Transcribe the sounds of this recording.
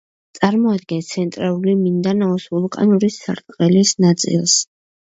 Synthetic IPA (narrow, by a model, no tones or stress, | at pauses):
t̪sʼaɾmɔad̪̚ɡɛnt̪sʰɛnt̪ʼɾalˠulimind̪anaɔsulˠkʼa̰nuɾisːaɾt̪ʼqʼɛlisnat̪sʼḭlˠs